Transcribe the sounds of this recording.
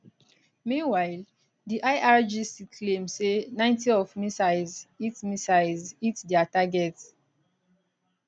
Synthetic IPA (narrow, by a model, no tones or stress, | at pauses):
mĩnwaɪl | diʔajʔaɹd͡ʒisikʰlẽmsenãɪ̃ntiɔfmisaɪzitmisaɪzitdɛataɡɛt